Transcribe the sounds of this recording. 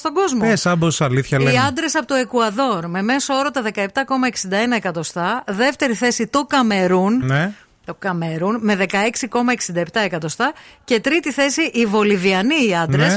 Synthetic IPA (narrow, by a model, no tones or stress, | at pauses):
st̪o̞ɡo̞zmoesɐbosɐliθçɐleiɐnd̪ɾe̞sɐpot̪oe̞kuɐðo̞ɾme̞me̞soo̞ɾɐt̪ɐðe̞kɐep̚t̪ɐko̞mɐeksind̪ɐenɐe̞kɐt̪o̞st̪ɐðe̞ft̪e̞ɾiθe̞sit̪o̞kɐme̞ɾunne | t̪okɐmeɾunme̞ðe̞kɐe̞ksiko̞mɐeksind̪ɐept̪ɐe̞kɐt̪o̞st̪ɐce̞t̪ɾit̪iθe̞siʔivo̞liviɐniːɐnd̪ɾes